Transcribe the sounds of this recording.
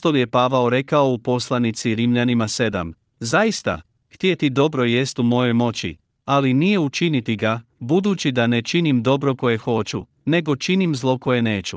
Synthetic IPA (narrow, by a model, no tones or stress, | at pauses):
t̪olje̞paːʋaoɾe̞kao̞upo̞slˠanit̪siɾimʎanimase̞d̪a̰m | zajist̪a̰ | xt̪jet̪id̪o̞bɾo̞je̞st̪umo̞jo̞jmo̞t͡ɕḭ | alinije̞ut͡ʃinit̪iɡabud̪ut͡ɕid̪ane̞t͡ʃinimd̪o̞bɾo̞ko̞je̞xo̞t͡ɕu | ne̞ɡo̞t͡ʃinimzlˠo̞ko̞je̞ne̞ːt͡ɕu